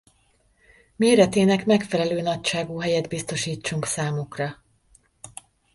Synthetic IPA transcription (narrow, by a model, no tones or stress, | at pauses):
meːɾɛt̪eːnɛkmɛkfɛlɛløːnɒcʃaːɡuːɦɛjɛd̪bist̪o̞ʃiːt͡ʃːuŋksaːmukrɒ